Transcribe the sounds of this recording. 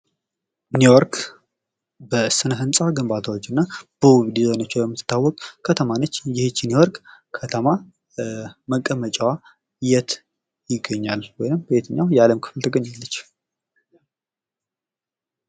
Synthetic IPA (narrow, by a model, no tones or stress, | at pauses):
nujoɾk | bəsɨnəɦɨnsʼaɡɨmbat̪ʰawot͡ʃːɨnːab̥əwiβd̪izonət͡ʃːɛləmːɨt̪t̪ʰːawːɔkʼkʰːət̪ʰəmanət͡ʃːjɪhɪt͡ʃːɪniwɔɾkʼkʰət̪ʰəma | məkʼːəmət͡ʃʼwa | jɛt̪ʰ | jɪɡːəɲːalwɔjnɨmbbet̪ʰəɲːawjɛaləmkʰɨ̥fɨlt̪ʰəɡəɲːalːət͡ʃː